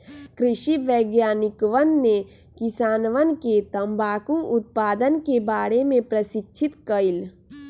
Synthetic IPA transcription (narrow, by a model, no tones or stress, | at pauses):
kɾɪʃiʋeːɡjaːnɪkʋənːe | kɪsaːnʋənket̪ə̃mbaːkũʔʊt̪̚paːd̪ənkebaːɾemẽpɾəsɪkʃʰɪt̪kəil